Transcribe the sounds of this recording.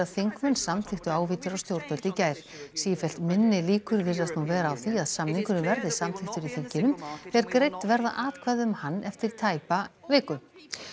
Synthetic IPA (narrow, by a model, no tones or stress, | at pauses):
aðθiŋkmœnsamθɪxt̪ʏaːwviːt̪aɾawst̪jowɾt̪œlt̪icaːjɾ̥ | siːjɪfɛl̥t̪mɪnːɪliːkʏɾvɪrðast̪nuvɛːɾaːwθiaðsamniŋkʏnʏvɛɾðɪsamɪxt̪ʏɾiθiɲcɪnʏmθɛɾkɾejt̪vɛɾða̰ʔaːt̪kʰvajðʏmhanːɛft̪ɪɾ̥t̪ʰaːjpavɪːkʏm